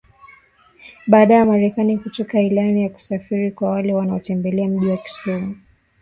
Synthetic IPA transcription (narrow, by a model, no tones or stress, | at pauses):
ɓaːɗajamaɾɛkanikutɔkailanijaku̥safiɾikwawalɛwanaɔtɛmbɛlɛam̩ʄiwaki̥sɔmu